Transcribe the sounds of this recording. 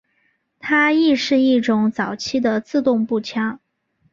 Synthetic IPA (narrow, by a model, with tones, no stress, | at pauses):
t̪ʰa˥i˥˧ʂɻ̩˥˧i˥˩ʈ͡ʂʊ˧˥ŋt͡sɑ˨˩ʊt͡ɕʰi˥d̪ə˨t͡sɹ̩˥˧t̪ʊ˥˧ŋpu˥˩t͡ɕʰjɑ˥ŋ